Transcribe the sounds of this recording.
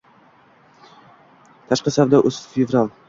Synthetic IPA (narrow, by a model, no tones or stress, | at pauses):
t̪ʰaʃqɑsawd̪aʔʊsfevɾalˠ